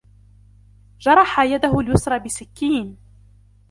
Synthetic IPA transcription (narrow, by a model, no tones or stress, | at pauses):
d͡ʒɑɾˤɑħajad̪aɦʊljʊsɾˤɑbɪsɪkːiːn